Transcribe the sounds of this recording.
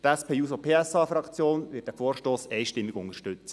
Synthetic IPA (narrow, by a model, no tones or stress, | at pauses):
tɛspʰeːjuːsopʰeːɛsɑːfɾɑkt͡sjoːnʋɪːt̚dæfɔːɾʃtoːsɛɪʃtɪmːɪɡ̥ʊŋəʃtʏt͡sə